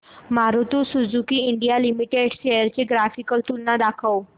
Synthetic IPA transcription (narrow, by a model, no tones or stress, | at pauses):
maɾut̪usud͡zukiːɳɖijalimiʈeɖɕejəɾt͡ɕeɡɾafikəlt̪ulnad̪akʰəw